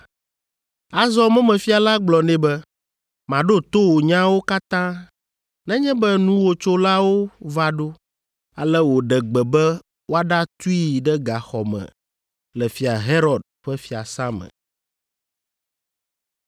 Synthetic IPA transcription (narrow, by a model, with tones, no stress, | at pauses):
a˨zɔ˦mɛ̃˦mɛ̃˨fi˦a˨la˦ɡ͡blɔ˨nɛ̃˦bɛ˦ | mã˨ɖo˦t̪o˦wo˨ɲã˦wo˦ka˦t̪ã˦ | nɛ̃˦ɲɛ̃˦bɛ˦nũ˦wo˨t͡ʃo˦la˦wo˦va˦ɖo˦ | a˨lɛ˦wo˨ɖɛ˨ɡ͡bɛ˨bɛ˦ | wo˦a˦ɖa˦t̪u˦i˦ɖɛ˦ɡa˨xɔ˨mɛ̰̃˨ | lɛ˨fi˦a˨ɦe˦ɾɔ˨d̪̚ɸɛ˦fi˦a˨sã˦mə̰̃˨